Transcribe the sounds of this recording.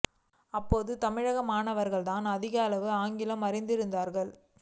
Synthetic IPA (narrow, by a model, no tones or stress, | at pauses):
ɐpːoːðɯt̪ɐmɪɻɐɣɐmaːnɐʋɐɾɣɐɭt̪aːnɐðɪɣɐɐlɐʋɯaːŋɡɪlɐmɐɾɪnd̪ɪɾɯnd̪aːɾɣɐɭ